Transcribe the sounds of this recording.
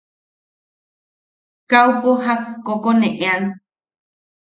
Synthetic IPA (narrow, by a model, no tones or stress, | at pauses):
kaupoɦakːokonẽʔean